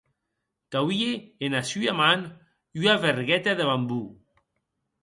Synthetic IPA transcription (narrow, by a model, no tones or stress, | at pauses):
kawieenasyaman | uaβeɾɣɛt̪aðeβambu